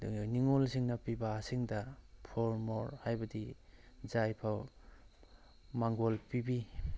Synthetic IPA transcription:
niŋolsiŋnɐpibasiŋdɐpʰoɾmoɾhajbadi | zajpʰaw | maŋɡolpibi

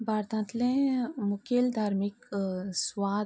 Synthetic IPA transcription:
baːɾt̪ãnt̪lẽmukeld̪ʱaːɾmikswaː

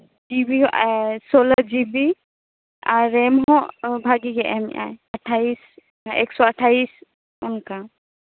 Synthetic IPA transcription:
d͡ʒibiɦʔsolad͡ʒibi | aːɛmɦɔ̃ʔbʱaɡiɡɛʔɛm̰ʔa̰jaʈʰais | ɛ̰ksɔaʈʰais | unka

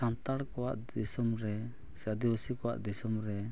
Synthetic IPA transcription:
sant̪aɽkɔwaʔd̪isɔmɾɛ | sad̪iwəsikɔwa̰ʔd̪isɔmɾɛ

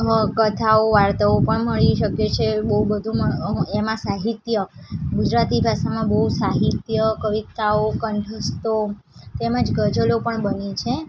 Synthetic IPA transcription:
kət̪ʰaoʋaɾt̪əopəɳməɭiʃəket͡ʃʰebəɦubəd̪ʱũməemãsaɦit̪jəɡud͡ʒɾat̪ibʱaʃamãbəɦusaɦit̪jəkəʋit̪aokəɳɖʱəst̪ot̪eməd͡ʒɡəd͡ʒəlopəɳbənit͡ʃʰe

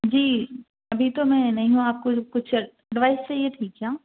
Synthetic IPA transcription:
d͡ʒiː | ɐbʱit̪omɛ̃nɐɦĩɦũaːp̚kokʊt͡ʃʰ | ɛɖʋaːɪsːejeʈʰiːkjaː

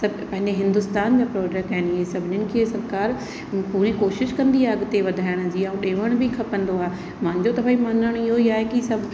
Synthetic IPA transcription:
sɐbpɐ̃ɦɪ̃ɲd͡ʑeɦɪ̃nd̪ʊst̪aːnd͡ʑaːpɾɔːd͡ʑɛk̚ʈɛːnesɐbʱɪɲɪnɪ̆kʰeːsɐɾkaːɾ | puːɾikoːʃɪʃkɐ̃nd̪iaɐɡt̪eʋɐd̪ʱaːjəɽ̃d͡ʑiːaũɗeːʋəɽ̃bɪkʰɐpə̃nd̪oaːɦe | mãɪ̃ɲd͡ʑot̪ɐfaːimãːnaɽ̃ɪɦoiaːɦekisɐbʱ

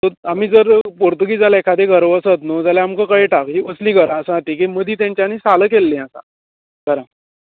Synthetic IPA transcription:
t̪əamiːd͡zəɾpoɾt̪uɡiːd͡zalekʰad̪eɡʱəɾʋəsət̪nod͡zalaamkəkəɭeʈakɦiəslĩɡʱəɾãsãʈʰik̬eməd̪ʱiːt̪jãɲt͡ɕjanisaləkelːẽasã̰ | ɡʱəɾã

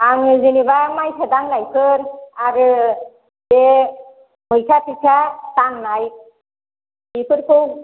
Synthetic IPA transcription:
aŋzinibamajsʰɯdaŋnajpʰɯɾaɾɯ | de | bɔjkʰatikʰataŋnaj | ipʰɯɾkʰɯw

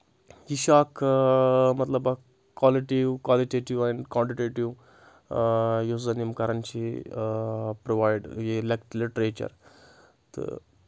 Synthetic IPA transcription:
jiɕaːk | mɐt̪ləba | kwaliʈiʋkwaliʈeʈiʋankãɳʈiʈeʈiʋ | jozɐnjimkɐɾant͡ɕi | pɾoʋajɖjelekʈliʈɾet͡ɕɐ̰ɾ | t̪ə̰

